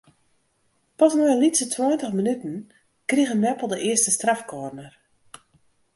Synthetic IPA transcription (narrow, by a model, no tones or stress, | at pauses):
pɔsnɔjəlisətʰwɔjəntəxmənytn̩ | kriɣənnɛpəlˠdəʔɪəstəstrafkoːrnər